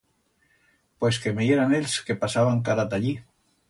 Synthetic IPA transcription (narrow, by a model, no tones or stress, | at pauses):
pwe̞skemeeɾanelske̞pasaβaŋkaɾat̪aʎi